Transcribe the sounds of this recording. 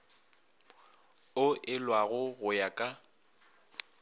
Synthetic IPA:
ʊʔɪlwaɣʊɣʊjakʼa

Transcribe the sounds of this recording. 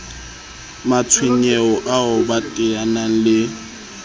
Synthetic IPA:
mat͡sʰwɪɲɛɔʔaʊbatʼɪanalɪ

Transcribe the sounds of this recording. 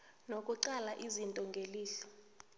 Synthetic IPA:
nokʼuǀalaʔizintʼɔŋɡʱeliːɬɛ̥

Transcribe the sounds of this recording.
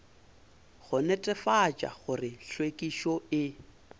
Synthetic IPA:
ɣʊnɛtʼɛfat͡ʃʼa̰ɣʊrɪɬwekʼiʃɔɪ

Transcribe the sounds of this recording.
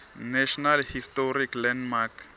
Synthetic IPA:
nɛʃɔnalhist̪ɔɾiklɛnmak

